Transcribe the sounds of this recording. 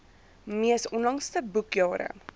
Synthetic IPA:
miəsɔnlɐŋstəbukjɑːɾə̰

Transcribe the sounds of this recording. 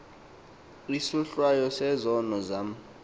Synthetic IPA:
isuɬwajɔsɛzɔnɔzam̩

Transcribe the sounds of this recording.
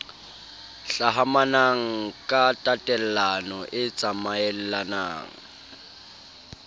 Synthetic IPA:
ɬaɦamanaŋ̩kʼatʼatʼɛl̩lanɔʔɪt͡sʼamaɛl̩lana̰ːŋ̩

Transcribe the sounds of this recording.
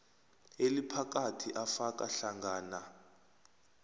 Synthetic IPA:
elipʰak̬ʼatʰiʔafakʼa̰ɬaŋɡaːna

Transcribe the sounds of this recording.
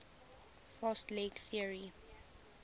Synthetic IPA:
fɔstleɡθiəɹi

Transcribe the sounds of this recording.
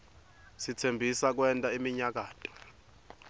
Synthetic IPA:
sitʰembʱisak̬wɛntʼaimiɲak̬aːtʰɔ̥

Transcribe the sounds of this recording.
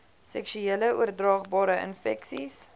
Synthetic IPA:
sɛ̰kʃyeːləuərdrɑːχbɑːɾəə̰nfɛksis

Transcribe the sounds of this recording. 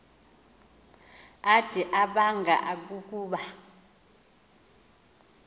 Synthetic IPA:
ad̥ʱiʔaɓaŋɡʱa̰ʔak̬uk̬ʼuːɓa

